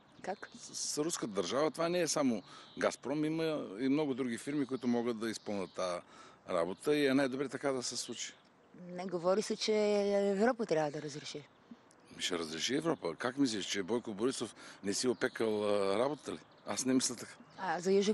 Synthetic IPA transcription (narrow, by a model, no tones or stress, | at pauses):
kaksɾuskət̪əd̪əɾʒavət̪ovanɛːsamoɡaspɾɔmiməimnɔɡʊd̪ɾuɡ̟ifiɾmikoit̪ʊmɔɡət̪̚d̪ɐispɤlˠnət̪ːaɾa̰bot̪əiɛnajd̪obɾɛt̪ɐkad̪ɐsɛslˠut͡ʃi̥ | nɛɡovɔɾisɛt͡ʃɛɛvɾɔpət̪ɾʲjabvəd̪ɐɾɐzɾɛʃi | miʃɛ̰ɾɐzɾɛʃiɛvɾɔpəkakmis̬lʲiʃt͡ʃɛbɔjkoboɾisofnɛsiopɛkəlˠɾabot̪t̪əli | a̰snɛmislʲɐt̪ɐkḁazɐjuʒ